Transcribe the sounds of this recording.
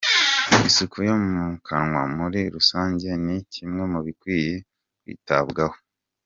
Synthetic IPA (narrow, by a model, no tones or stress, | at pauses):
isukʰujomumukʰaŋwamuɾiɾusaːɲɟe̞nicimŋe̞muβikwiːje | kwḭːtabɡaho̥